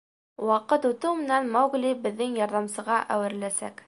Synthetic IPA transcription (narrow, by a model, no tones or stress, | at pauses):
wɑqɤt̪ut̪ɤwmɘ̆nænmɑwɡlʲibɘ̆ðːɘŋjɒɾðɑmsɤ̆ʁɑʔæwɘ̆ɾlæsæ̰k